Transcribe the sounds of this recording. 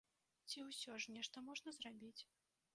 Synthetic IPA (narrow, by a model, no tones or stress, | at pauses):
t͡sʲiwsʲɔʐnʲɛʂt̪ɐmɔʐnɐzrabʲit͡sʲ